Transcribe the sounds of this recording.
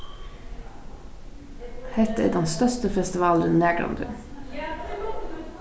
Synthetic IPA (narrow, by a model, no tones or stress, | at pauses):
hɛt̪əḛːɖɛnst̪œʂt̪əfɛst̪ɪʋɑːlənnːæːɡɾɑ̰nd̪ʉ̰ː